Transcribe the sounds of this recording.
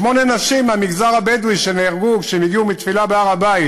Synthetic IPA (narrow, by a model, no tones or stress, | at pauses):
ʃmo̞nenaʃimamiɡzaʁabed̪ujʃeneaʁɡukʃemiɡiumit̪filabeaʁabai